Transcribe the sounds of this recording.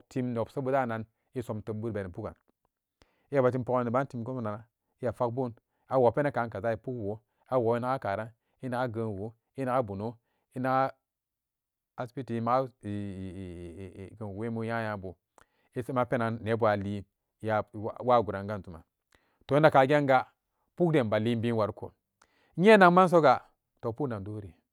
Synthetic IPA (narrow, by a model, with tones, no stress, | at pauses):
ti˦mn˨o˨psa˦bu˦da˦˨na˨n | i˦so˨˦mtə˨bu˦ɾbe˨ɾi˨pu˦ka̰˨n | i˦ja˨ba˨t̬i˦mpo˦ki˨ba˦nti˨mko˦na˨na˦ | i˦ja˨fa˦k̚bu˦n | a˨wo˨pe˦na˦ka˨˦nka˨za˦i˨pu˦kwo˨˦ | a˦wo˨˦i˦na˦ɡa˦ka˨ɾa˦n | i˦na˨ɡa˦ɡə˨n˨wo˦ | i˦na˦ɡa˦bu˨no˦ | i˦na˨ka˦ | spi˦ti˨˦ma˦˨ | ɡə˨n˨we˦mu˦ja˦ja˨bu˨ | i˦se˦ma˦pe˦naː˨e˨˦bu˦a˨li˦ | ja˨˦wa˦˨ɡu˨ɾa˨ŋɡa˦ntu˨ma̰˨ | to˨˦nda˨ka˨ɡʲe˦ŋɡa˦ | pu˦kde˨mba˨li˦bi˦wa˨ɾko̰˨˦ | ɲe˦na˨ŋma˦n˦s̬o˦ɡa˨ | to˨pu˦na˨ndo˦ɾi˨